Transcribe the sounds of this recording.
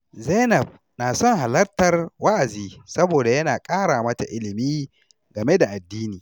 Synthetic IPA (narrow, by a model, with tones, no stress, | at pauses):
zeː˦nɐ˨b̚ | naː˨sɔ˦ŋɦa˨lɐ˦rtɐ˨rwa˦ʔa˨ziː˦sɐ˦boː˨da˨jɐ˦naː˨kʼaː˦ɽaː˨mɐ˦ta̰˨ʔɪ˦lɪ˨miː˦ | ɡɐ˨me˦da˨ʔa˨dːiː˦niː˨